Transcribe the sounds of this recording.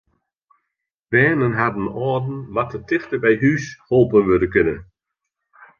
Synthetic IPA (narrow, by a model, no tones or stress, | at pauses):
b̥ɛːnənɦadən̩ɔədn̩ʋatətɪxtəbɛjɦysholˠpənʋødəkʏnə